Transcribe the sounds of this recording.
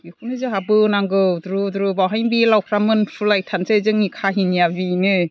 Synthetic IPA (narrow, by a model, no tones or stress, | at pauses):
ɡikʰunɯzɯɦabɯnaŋɡɯwdɾudɾubawɦajnbilawkʰɾamɯnpʰɯlajtʰansezɯŋikʰaɦinjabinɯ